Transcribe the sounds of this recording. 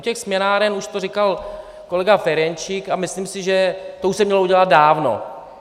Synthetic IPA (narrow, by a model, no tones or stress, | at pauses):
ucɛxsmɛnaːɾɛnuʃt̪orikal | ko̞lɛɡafɛɾɛnt͡ʃɪkamɪslimsɪʒɛt̪ouʃsɛmɲɛlouɟɛlad̪̚daːvno̞̰